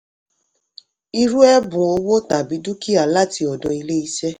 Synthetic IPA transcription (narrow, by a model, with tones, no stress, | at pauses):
i˧ɾu˦ɛ˦bũ˨o˧wo˦ta˨bi˨˦dũ˦ki˦a˨la˦ti˧ɔ˨dɔ̃˨˧i˧le˦i˦ʃɛ˦